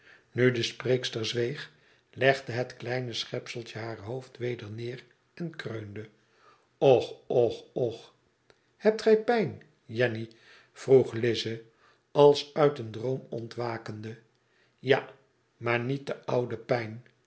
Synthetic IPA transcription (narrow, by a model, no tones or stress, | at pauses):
nydəspreːkstəɹzʋejχ | lɛχdəɦətklɛjnəsχɛpsəl̩ˠtəɦaːɹɦowftʋejdəɹnɪːr | ɛnkrøɥndə | ɔχɔχɔχ | hɛp̚tχɛjpɛjn | jɛni | v̥ruχlɪzə | ɑlˠsœɥtəndrowmɔ̰ntʋaːkəndə | ja | maːɹnit̚dəʌwdəpɛjn